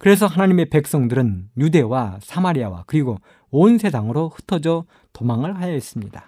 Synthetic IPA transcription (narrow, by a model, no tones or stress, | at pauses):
kɯɾe̞s̬ʰʌɦanaɲime̞pe̞k̚s͈ʌŋdɯɾɯnjude̞wasʰamaɾiawa̰kɯɾiɡo | onsʰe̞sʰaŋɯɾohɯ̥tʰʌd͡ʑʌ | tomaŋɯɭhajaes͈ɯmɲida